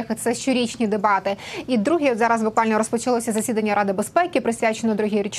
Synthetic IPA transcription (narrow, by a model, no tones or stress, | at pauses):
ɛxɪt̪sɛʃt͡ʃɔɾʲit͡ʃʲnʲid̪ebɑt̪ɪid̪ɾuɦijɔd̪zɑɾɐzbʊkʋɑlʲnɔɾɔspɔt͡ʃɐlˠɔsʲɐzɐsʲid̪ɐnʲːɐɾʔɑd̪ɪbespɛkʲɪpɾɪsʲʋʲat͡ʃenɔd̪ɾuɦʲiɾʲit͡ʃ